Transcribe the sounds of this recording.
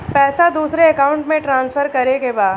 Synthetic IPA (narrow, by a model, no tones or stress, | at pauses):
pɛːsad̪uːsɾeɐkaːʊ̃ɳʈmẽʈɾãːnsfʰəɾkɐɾekebaːd̪